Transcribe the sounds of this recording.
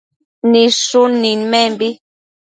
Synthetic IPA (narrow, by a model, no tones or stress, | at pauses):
nisuninmɛmbi